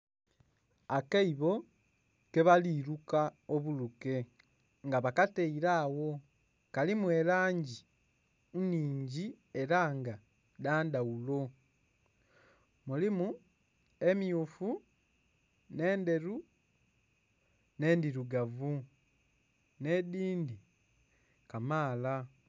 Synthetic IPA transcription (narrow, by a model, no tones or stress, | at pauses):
akaiβo̞ | ke̞βaliːɾukaoβuluke̞ | ŋɡaβakateiɾaːwo̞ | kalimuelaːɲɟi | uniːɲɟi | e̞ɾaːŋɡa | daːndaulo̞ | mulimu | emjufu | ne̞ːnde̞ɾu | ne̞ːndiɾuɡavu | ne̞diːndi | kamaːla